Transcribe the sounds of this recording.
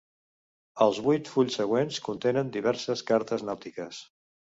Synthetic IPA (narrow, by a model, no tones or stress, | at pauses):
əlˠzβujt̪fuʎsːəɣ̞wenskunt̪enənd̪iβɛɾsəskaɾt̪əznawt̪ikəs